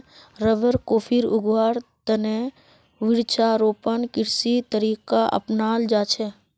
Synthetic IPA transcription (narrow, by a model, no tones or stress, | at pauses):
ɾəʋəɾkoːpʰiɾʊɡwaːɾt̪əne | ʋɪɽt͡ʃaɾoːpənkɪɾsit̪əɾiːkaʔə̰pnaːld͡ʒaːt͡ʃʰɛː